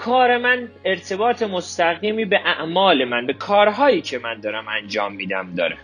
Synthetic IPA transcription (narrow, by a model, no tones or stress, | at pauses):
kʰɒːɾe̞mæneɾt̪ʰe̞bɒːt̪ʰemo̞st̪æɣd̪iːmiːbe̞ʔæʔmɒːle̞mænbe̞kʰɒːɾɦɒːjiːcʰe̞mænd̪ɒːɾæmænd͡ʒɒːmːiːd̪æ̰md̪ɒ̰ːɾe